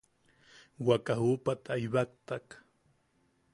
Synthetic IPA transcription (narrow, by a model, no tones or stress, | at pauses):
wakahupat̪ajβakt̪ak